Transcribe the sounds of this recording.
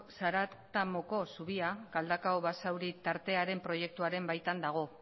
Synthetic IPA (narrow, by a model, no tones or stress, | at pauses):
saɾat̪amoko̞suβ̞iaɡald̪akawβasawɾit̪aɾt̪e̞aɾe̞mpɾo̞je̞k̚t̪uaɾe̞mbajt̪and̪aɣ̞o̞